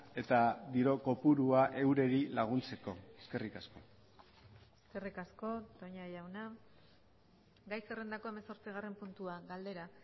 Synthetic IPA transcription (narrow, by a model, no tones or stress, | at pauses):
e̞t̪ad̪iɾo̞ko̞puɾuaʔe̞wɾe̞ɾilaɣ̞unt͡se̞ko̞eske̞rikasko̞̰ | eske̞rikasko̞t̪oɲajawna | ɡajsere̞nd̪ako̞e̞meso̞ɾt͡siɣ̞are̞mpunt̪uaɣald̪e̞ɾa